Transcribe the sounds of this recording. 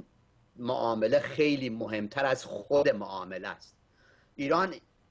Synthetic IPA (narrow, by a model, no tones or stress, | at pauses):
mo̰ʔɒːmelexejliːmoɦe̞mt̪ʰæɾæzxod̪emoʔɒːmelæ̰st̪̚ | ʔiːɾɒːn